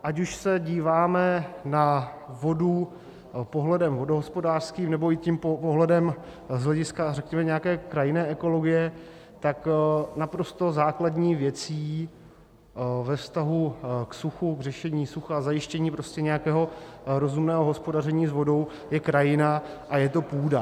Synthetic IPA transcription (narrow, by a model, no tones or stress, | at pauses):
ʔacuʃsɛɟiːvaːmɛnavo̞du | poɦlɛdɛmvo̞doɦospodaːr̥skiːmnɛbo̞ɪcimpoɦlɛdɛm | zɦlɛɟɪskarɛkɲɛmɛɲɛjakɛːkɾajɪnɛːʔɛko̞lo̞ɡɪjɛ | t̪aknapɾo̞st̪o̞zaːkladɲiːvjɛt͡siː | vɛfst̪aɦuksuxuɡrɛʃɛɲiːsuxaazajɪʃcɛɲiːpɾo̞scɛɲɛjakɛːɦo̞ɾo̞zumnɛːɦoɦo̞spo̞darɛɲiːzvo̞do̞w | jɛkɾajɪnaʔajɛt̪o̞puːda